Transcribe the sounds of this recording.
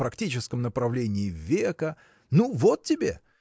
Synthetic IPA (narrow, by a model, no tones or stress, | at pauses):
pɾɐktʲit͡ɕɪskəmnəpɾɐvlʲenʲɪːvʲekə | nuvot̪̚ʲːɪbʲḛ